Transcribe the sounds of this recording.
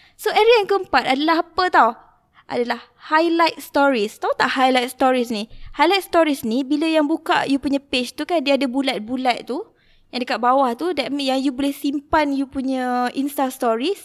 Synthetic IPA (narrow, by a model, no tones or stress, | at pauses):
soɛɾiaŋkəəmpat̪̚adalaɦapət̪aw | ʔa̰dalah | hajlajt̪̚st̪ɔɾist̪awt̪aʔhajlajt̪̚st̪ɔɾisnihajlajt̪̚st̪ɔɾisnibiləjaŋbuka̰ʔjupuɲãpet͡ʃt̪ukandiəːdəbulat̪̚bulat̪̚t̪u | jaŋdəkat̪̚bawaht̪udɛnjaŋjubolɛhsimpanjupuɲə̃ʔinst̪ast̪ɔɾis